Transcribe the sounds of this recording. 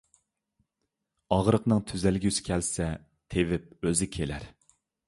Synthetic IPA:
ɑʁɾəqnɨŋt̪ʰyzælɡʲysɪ̥kʲʰɛlsɛ | t̪ʰevɪp̚øzɪkʲʰelæɾ

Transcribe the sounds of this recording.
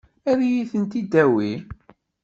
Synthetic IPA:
æðijiθənt̪id̪æwi

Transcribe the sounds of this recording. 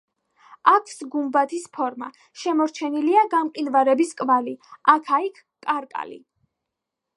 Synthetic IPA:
akʰsɡumbat̪ʰispʰɔɾma̰ | ʃɛmɔɾt͡ʃʰɛniliaɡamqʼinvaɾɛbiskʼvaliakʰaikʰ | kʼːaɾkʼa̰lḭ

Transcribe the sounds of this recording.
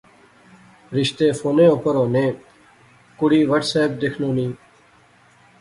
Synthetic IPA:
ɾɪʃt̪eːfoːnẽːopəɾoːnẽː | kʊɽiːʋəʈsɛːp̚d̪ekʰnõːnĩː

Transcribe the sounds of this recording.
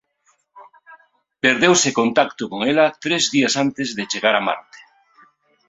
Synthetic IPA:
peɾðewsekont̪akt̪ʊkoŋelat̪ɾezðiasant̪ezðet͡ʃeɣaɾama̰ɾt̪e̥

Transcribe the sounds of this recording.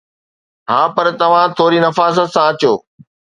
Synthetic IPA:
ɦaːpɐɾt̪ɐʋ̤ãt̪ʰoːɾinɐfaːsət̪sãɐt͡ɕoː

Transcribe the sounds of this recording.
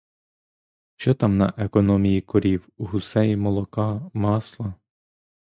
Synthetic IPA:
ʃt͡ʃɔt̪ɑmnɐ̰ʔekɔnɔmʲijikɔɾʲiwuɦʊsɛjimɔlˠɔkɑmɑslˠɐ

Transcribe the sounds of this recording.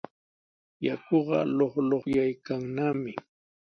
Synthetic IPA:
jakoɢɑ̰loχloχjajkaŋnamɪ

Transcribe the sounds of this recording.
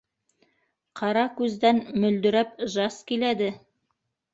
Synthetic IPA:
qʰɑɾɑkʉzd̪ænmɵ̆ld̪ɵ̆ɾæp̚ʒɑskilæd̪ɘ

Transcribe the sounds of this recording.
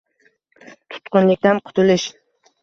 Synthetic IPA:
t̪ʰʊ̥t̪qʊnlɪk̚ʲt̪anqʰʊ̥t̪ʰʊlɪʃ

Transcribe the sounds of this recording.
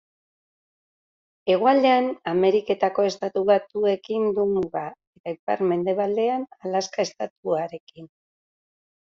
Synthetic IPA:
e̞ɣ̞oald̪e̞aname̞ɾike̞t̪ako̞e̞st̪at̪uβat̪ue̞kind̪umuɣae̞t̪aipa̰ɾme̞nd̪e̞β̞ald̪e̞analaskae̞st̪at̪uaɾe̞kin

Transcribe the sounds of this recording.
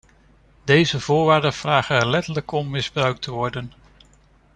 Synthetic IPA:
dejzəvʊːɹʋaːɹdənv̥raːχənɛɹlɛtələkɔmːɪzbrœɥk̚tʰəʋɔɹdən

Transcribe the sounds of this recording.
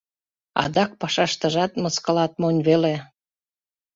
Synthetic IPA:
ɑ̰d̪ɑk̚pɑʃɑʃt̪əʒɑt̪məskəlɑt̪̚monʲβele

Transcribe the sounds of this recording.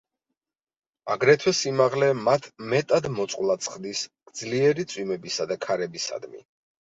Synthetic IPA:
aɡɾɛt̪ʰwɛsimaʁlɛmat̪ʰmɛt̪ʼad̪mɔt̪sʼqʼwlˠat̪sʰχd̪isɡ̥d̪zliɛɾit̪sʼwimɛbisad̪akʰaɾɛbisa̰d̪mḭ

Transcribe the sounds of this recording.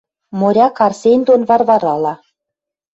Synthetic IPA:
moɾʲɑkɑrsʲenʲd̪onvɑrvɑɾɑlˠɑ

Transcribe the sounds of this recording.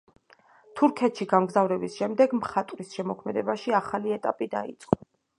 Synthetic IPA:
t̪ʰuɾkʰɛt̪ʃiɡamɡzavɾɛbisʃɛmd̪ɛɡmχat̪ʼɾisʃɛmɔkʰmɛd̪ɛbaʃiaχaliɛt̪ʼapʼid̪a̰it̪sʼqʼɔ

